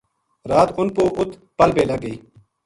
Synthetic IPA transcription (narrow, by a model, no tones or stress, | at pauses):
ɾaːt̪ʊnpoːʔʊt̪ | pəlbeːləɡəiː